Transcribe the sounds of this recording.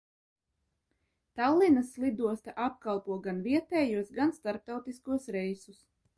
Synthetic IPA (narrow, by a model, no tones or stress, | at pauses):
t̪alˠːinasːlˠid̪uɔst̪aʔap̚kalˠpuɔɡanviɛt̪ɛːjuɔsɡanst̪aɾp̚t̪awt̪iskuɔsɾɛjsus